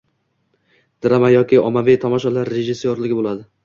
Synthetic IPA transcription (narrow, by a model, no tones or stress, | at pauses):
d̪̥ɪɾamajɒkʲɪɒmavijt̪ʰɒmɒʃɒlaɾːeʒɪsːoɾlɪɡʲɪbolad̪ɪ